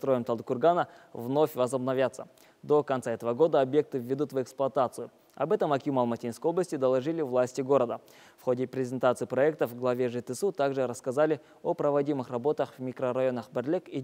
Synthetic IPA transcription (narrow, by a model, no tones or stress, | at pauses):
t̪ɾo̞jəmt̪ɐlˠd̪kʊrɡanəvno̞fʲvəzəbnɐvʲjat̪sːə | d̪o̞kɐnt̪saɛt̪əvəɡo̞d̪əɐbje̞k̚t̪ɨvʲːɪd̪ut̪vɛksplˠʊɐt̪at̪sɨjʊ | ɐ̰bɛt̪əmɐkʲjumalˠmɐtʲinskəjo̞bləsʲtʲɪd̪əlˠɐʐɨlʲɪvlˠasʲtʲɪɡo̞ɾəd̪ə | fxo̞dʲɪpɾʲɪzʲɪnt̪at̪sɨipɾɐɛk̚t̪əvɡlˠɐvʲeʐɨt̪ɨsut̪aɡʐɨɾəskɐzalʲɪ | opɾəvɐdʲimɨxrɐbo̞t̪əxvmʲɪkrəɾɐjo̞nəχbɛrlʲeki